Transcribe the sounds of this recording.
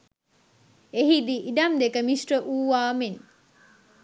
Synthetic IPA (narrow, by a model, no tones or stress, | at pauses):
eɦid̪iʔiɖ̪ɐmd̪ekɐmisʈɾəʔuːʋaːmen